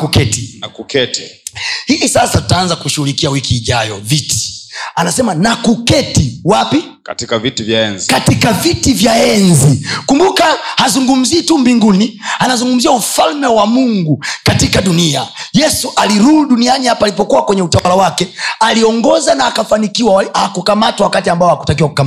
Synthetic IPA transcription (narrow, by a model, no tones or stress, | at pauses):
kukɛtikukɛtihiisasatu̥taanzakuʃuhulikiawikiːʄajɔviti̥anasɛmanakukɛtiwapi | katikavitivjaɛnzikatikavitivjaɛnzikumbukahazuŋɡum̩ziːtumbiŋɡunianazuŋɡum̩ziaufalmɛwamuŋɡukatikaɗuniajɛsuʔaliɾuhuɗunianihapalipɔkuwakwɛɲɛutawalawakɛaliɔŋɡɔzanaːkafanikiwaahakukamatwawakatiambaɔhaku̥takiwaku̥kam